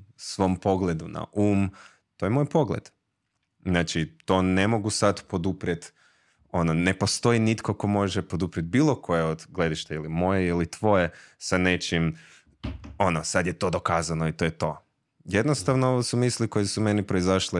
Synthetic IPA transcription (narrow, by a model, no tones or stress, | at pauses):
sʋo̞mpo̞ɡle̞d̪una̰ʔuːm | t̪ojemo̞jpo̞ɡlḛd̪̥ | znaːt͡ʃit̪o̞ne̞mo̞ɡusad̪po̞d̪upɾjet̪ | o̞none̞po̞st̪o̞init̪koko̞mo̞ʒepod̪upɾjet̪̚biːlˠokʰo̞jeod̪ɡle̞d̪iʃt̪eilimo̞jeilit̪ʋo̞jesane̞t͡ʃim | o̞nosad̪jet̪o̞d̪o̞kaːzanoit̪o̞jet̪o̞ | je̞d̪nost̪aʋnooʋosumisliko̞jesume̞nipɾo̞izaʃle